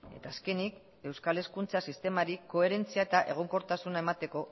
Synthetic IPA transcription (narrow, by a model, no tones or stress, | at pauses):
e̞̰t̪aːske̞nik | e̞wskale̞skunt͡sasist̪e̞maɾiko̞e̞ɾe̞nt͡siaet̪aʔe̞̰ɣ̞o̞ŋko̞ɾt̪asunae̞mat̪e̞ko̞